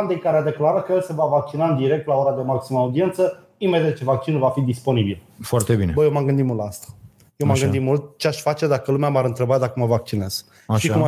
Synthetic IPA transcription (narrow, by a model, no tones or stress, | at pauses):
and̪ejkaɾead̪e̞klaɾəkəjelse̞vavak̚t͡ʃinaɨnd̪iɾek̚t̪lao̞ɾad̪e̞maksiməaːud̪ie̞nt̪sə | imed̪ʲet̪t͡ʃe̞vak̚t͡ʃinulvafid̪ispo̞nibil | foart̪ebinebəjemaɡɨnd̪it̪mult̪ast̪ḁ | jewmaɡɨnd̪it̪mult̪̚t͡ʃeaʃfat͡ʃe̞d̪akəlumeamaɾɨnt̪ɾe̞bat̪d̪akəməvak̚t͡ʃine̞z̥ | ʃikuma